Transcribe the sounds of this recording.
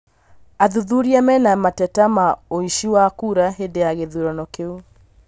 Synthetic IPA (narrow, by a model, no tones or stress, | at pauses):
aðuðuɾiamɛnamatɛtamaoiʃiwakuːɾaɦedejaɣeðuɾɔnɔkeu